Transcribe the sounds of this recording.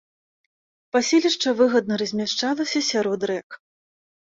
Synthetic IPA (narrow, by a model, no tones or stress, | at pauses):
pasʲelʲiʂt͡ʂɐvɨɣɐd̪nɐɾɐzʲmʲaʂt͡ʂalˠɐsʲɐsʲaɾɔd̪ɾɛk